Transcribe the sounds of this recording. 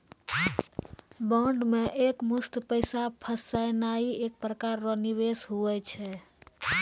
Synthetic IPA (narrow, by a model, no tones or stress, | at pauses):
bɔɳɖmeʔekmust̪pəɪsapʰəsajnaiek̚pɾəkaɾːəniβesɦuɛt͡ʃʰɛ